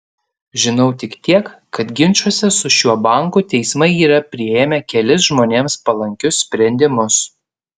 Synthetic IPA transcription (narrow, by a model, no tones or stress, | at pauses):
ʒʲɪnɐʊt̪ʲɪkt̪ʲiɛk | kɐt̪ɡʲɪnʲˑt͡ʃuɔsʲɛsʊʃʲuɔbɐˑŋkut̪ʲɛɪsmɐɪiːɾɐpʲɾʲɪeːmʲɛkʲɛlʲɪs̬ʒmoːnʲeːmspɐlˠɐŋʲkʲʊsʲsʲpʲɾʲɛnʲd̪ʲɪmʊs